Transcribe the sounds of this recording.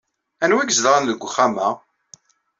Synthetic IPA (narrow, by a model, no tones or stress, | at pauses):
ænwiɡzəðʁˤanðəɡʷχamæ